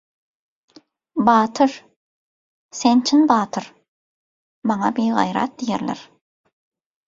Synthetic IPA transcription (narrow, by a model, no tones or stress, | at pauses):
bɑːt̪ʰɯɾ | sent͡ʃʰinbɑːt̪ʰɯɾ | mɑŋɑbijʁɑ̰jɾɑ̰t̪̚d̪ijḛɾlʲḛɾ